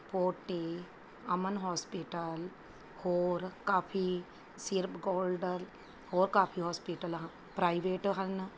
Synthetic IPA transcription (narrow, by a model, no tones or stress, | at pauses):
poːʈe | ɐmənɦɔːspiʈəl | hoːɾkaːpʰi | siɾpɡoːlɖəl | hoːɾkaːpʰiɦoːspiʈəl | pɾaːiʋeːʈɦɐn